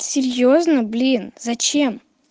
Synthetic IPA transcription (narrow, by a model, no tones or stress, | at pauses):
sʲɪɾʲjoznəblʲinzɐt͡ɕem